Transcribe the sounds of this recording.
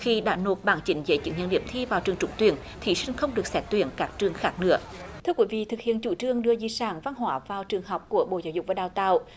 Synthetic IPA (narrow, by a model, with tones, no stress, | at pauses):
xi˧ɗa̰ː˧˥no˨˩t̚ɓaː˧˩ŋt͡ɕï˨˦ŋ̟zə̰ː˧˦jt͡ɕɨ̰˨˧˦ŋɲə̰˧˨nɗḭ˧˩əmt̪ʰi˧vaː˨˩wt͡ɕɨ˨˩əŋt͡ɕʊ˧˦ŋ͡mt̪wi˧˩ən | t̪ʰi˨˩sï˧ŋ̟xə˧wŋ͡mɗɨ˨˩ək̚sɛ˦˥t̚t̪wi˧˩ənkaː˦˥k̚t͡ɕɨ˨˩əŋxaː˦˥k̚nɨ̰˧˥ət̪ʰɨ˧əkwi˧˩˦vḭ˧˨t̪ʰɨ˨˩k̚hi˧˨ənt͡ɕu˧˩˦t͡ɕɨ˧əŋɗɨ˧əzi˧˩saː˧˩˦nva˧nɦwaː˧˩vaː˨˩wt͡ɕɨ˨˩əŋɦɔ˨˩wk͡p̚ku˧˩əɓo̰˧˨zaː˧˦wzʊ˨k͡p̚vaː˨˩ɗaː˨˩wt̪a̰ː˧˨w